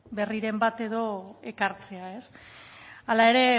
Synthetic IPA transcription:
be̞riɾe̞mbat̪e̞ð̞o̞e̞kaɾt͡se̞ae̞s | alae̞ɾe̞

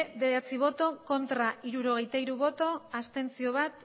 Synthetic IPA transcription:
beðat͡siβ̞o̞t̪o̞ko̞nt̪ɾaiɾuɾo̞ɣ̞e̞jt̪aiɾuβo̞t̪o̞ast̪e̞nt͡sio̞β̞at̪

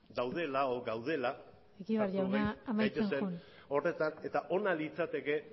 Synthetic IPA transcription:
d̪awðe̞laoɡawðe̞la | ekiβaɾʎawnaːmajt̪eenseuno̞re̞t̪ane̞t̪aʔo̞nalit͡sat̪e̞ke̞

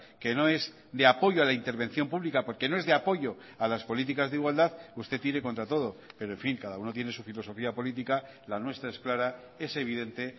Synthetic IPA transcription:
ke̞no̞e̞z | d̪e̞apo̞ʝoalaint̪e̞ɾβ̞e̞nθjo̞mpuβlikapo̞ɾke̞no̞e̞zðe̞apo̞ʝo̞ | alaspo̞lit̪̬ikazðeiɣwald̪aðust̪e̞t̪iɾe̞ko̞nt̪ɾat̪o̞ð̞o̞pe̞ɾoe̞ɱfiŋkaðauno̞t̪je̞nesufilo̞so̞fiapo̞lit̪ika | lanwe̞st̪ɾaesklaɾa | e̞se̞β̞iðe̞nt̪e̞

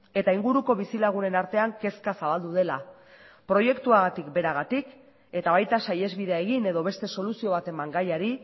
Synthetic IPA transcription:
e̞t̪aiŋɡuɾuko̞β̞isilaɣ̞une̞naɾt̪e̞aŋke̞skasaβald̪uðe̞la | pɾo̞je̞kt̪uaɣat̪ikbe̞ɾaɣat̪ik | e̞t̪aβ̞ajt̪asaje̞zβiðe̞aeɣ̞ine̞ðo̞βe̞st̪e̞so̞lusio̞β̞at̪e̞maŋɡajaɾi

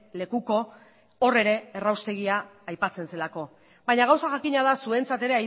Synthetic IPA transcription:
le̞kuko̞ː | re̞ɾe̞ːrawst̪e̞ɣ̞iaːjpat͡se̞nse̞lako̞ | baɲaɣawsaʝakiɲaðasue̞nt͡sat̪e̞ɾe̞aj

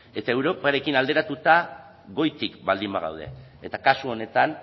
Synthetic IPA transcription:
e̞t̪ae̞wɾo̞paɾe̞kinald̪e̞ɾat̪ut̪a | ɣo̞jt̪ikbald̪imbaɣ̞a̰wð̞e̞̰et̪akasuo̞ne̞t̪an

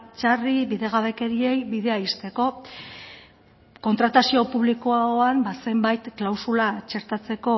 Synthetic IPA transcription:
t͡ʃariβiðe̞ɣ̞aβe̞ke̞ɾie̞jβiðe̞aist̪e̞ko̞ | ko̞nt̪ɾat̪asio̞puβlikoaoambase̞mbajt̪klawsulat͡ʃe̞ɾt̪at͡se̞ko̞

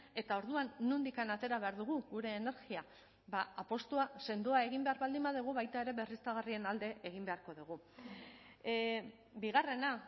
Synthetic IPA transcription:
e̞t̪ao̞ɾðuanːund̪ikanat̪e̞ɾaβe̞aɾðuɣ̞uɣuɾe̞ːne̞ɾɣia | baapo̞st̪uase̞nd̪uae̞ɣ̞imbe̞aɾβald̪imbaðuɣ̞uβajt̪ae̞ɾe̞βe̞rist̪aɣarie̞nald̪e̞ʔeɣ̞imbe̞aɾko̞ðuɣ̞u | biɣare̞na

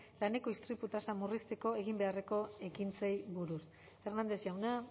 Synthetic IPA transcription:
lane̞ko̞ist̪ɾiput̪asamurist̪e̞ko̞e̞ɣimbe̞are̞ko̞e̞kint͡sejβuɾus | fe̞rnand̪e̞sjawna

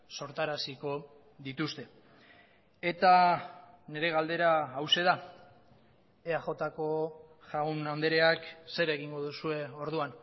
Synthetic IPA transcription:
so̞ɾt̪aɾasiko̞ | ðit̪ust̪e̞ | e̞t̪a | ne̞ɾe̞ɣald̪e̞ɾaːwse̞ða | eaxo̞t̪ako̞ | ʝaɣunand̪eɾeakse̞ɾe̞ɣiŋɡo̞ð̞usue̞o̞ɾðuan

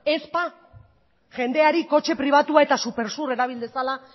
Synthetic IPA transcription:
e̞spa | ʝe̞nd̪e̞aɾiko̞t͡ʃe̞pɾiβ̞at̪uae̞t̪asupe̞ɾsure̞ɾaβ̞ild̪esala

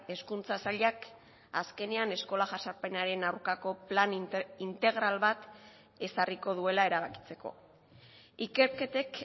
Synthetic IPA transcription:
e̞skunt͡sasaʎak | aske̞ne̞ane̞sko̞laʝasaɾpe̞naɾe̞nawɾkako̞planint̪e̞ɣ̞ɾalβat̪ | e̞sariko̞ð̞ue̞laeɾaβ̞aki̥t͡se̞ko̞̰ | ike̞ɾke̞t̪e̞k

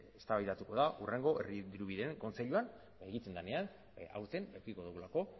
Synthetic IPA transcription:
e̞st̪aβajt̪at̪uko̞ðaʔure̞ŋɡo̞ʔeriðiɾuβiðeeŋko̞nt͡se̞ʎuan | eɣit͡se̞nd̪ane̞an | a̰wɾt̪e̞nekikoðuɣulako̞

